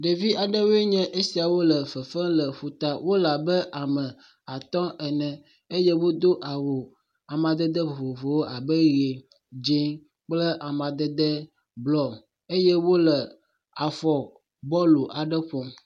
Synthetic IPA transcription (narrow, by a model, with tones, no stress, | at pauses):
ɖe˨vi˦a˨ɖə˦wo˦e˦ɲɛ̃˦ʔe˦si˨a˨wo˦lə˨fə˨fɛ̃˦lə˨ɸu˨t̪a˦wo˦la˨bə˦ʔa˨mə̃˨ | a˨t̪ɔ̃˦ʔɛ˨nɛ̃˨ | e˦jɛ˦wo˦d̪o˦ʔa˨wo˨ | a˨mã˨d̪ɛ˦d̪ə˦vo˨vo˨vo˨wo˦ʔa˨bə˦ɾi˨e˨ | d͡ʒi˦ | k͡plə˦ʔa˨mã˨d̪ə˦d̪ə˦ | blɔ˦ | e˦jɛ˦wo˦lə˨ | a˨fɔ˨ | bɔ˦lo˨ʔa˨ɖə˦ɸɔ˨